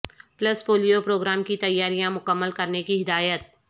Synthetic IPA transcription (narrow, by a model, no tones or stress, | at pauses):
plɐspoːlijopɾoːɡɾaːmkit̪ɐjːaːɾijãmʊkəmːəlkɐɾnekiɦɪd̪aːjət̪̚